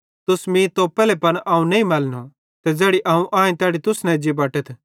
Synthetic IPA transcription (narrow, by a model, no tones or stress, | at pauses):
t̪ʊsmĩːt̪opɛːlɛpɐnaːũnɐĩmɐːlno | t̪ɛd͡zɛːɽiʔãːũʔãːẽt̪ɛːɽit̪ʊsnɛ̃d͡ʒibɐːʈət̪ʰ